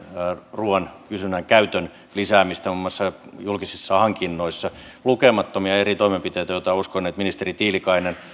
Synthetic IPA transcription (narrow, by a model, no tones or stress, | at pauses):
ruɑnkysynæŋkæyt̪øn | lisæːmist̪æomːɑsːɑjulkisisːɑhɑŋkinːoisːɑ | lukemɑt̪ːomiɑerit̪oimempit̪eˑjt̪æjot̪ɑuskonːeːt̪minist̪erit̪iːlikɑinen